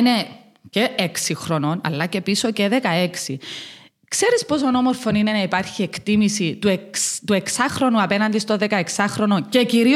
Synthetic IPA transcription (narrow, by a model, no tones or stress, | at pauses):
ne̞ | ceʔeksixɾono̞nɐ̰lːɐce̞piso̞ceðekɐe̞ksi | kse̞ɾispo̞sonomo̞ɾfo̞nine̞nɐipɐɾçiekt̪imisit̪uet̪ue̞ksɐxɾo̞nuɐpe̞nɐnd̪ist̪oðekɐe̞ksɐxɾo̞no̞ce̞ciɾi